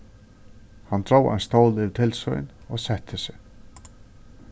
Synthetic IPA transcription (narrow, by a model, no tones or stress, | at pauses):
hant̪ʰɾoːwʔa̰nst̪oːwlɪðt̪ʰɪlsœ̰jnɔɣsɛht̪ʰɪsɪ